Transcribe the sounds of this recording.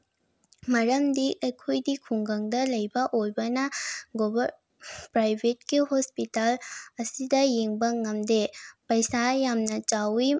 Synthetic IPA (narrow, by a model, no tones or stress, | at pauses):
mɐɾɐmdiʔɐjkʰojdikʰuŋɡɐŋdɐlɐjbɐʔojbɐnɐɡobɐ | pɾajbʱet̚ɡihospitalɐsidɐjeŋbɐŋɐmdepɐjsajamnɐt͡ʃawi